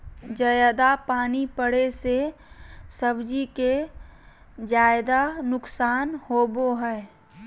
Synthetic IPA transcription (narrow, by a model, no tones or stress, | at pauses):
d͡ʒəjad̪apaːnipəɽese | səbd͡ʒike | d͡ʒaːjd̪anʊksaːnhoːboɦɛː